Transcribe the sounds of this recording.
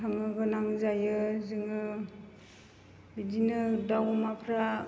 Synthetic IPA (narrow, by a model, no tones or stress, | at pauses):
aŋɯɡɯnaŋzajɯzɯŋɯ | bidinɯdawmapʰɾa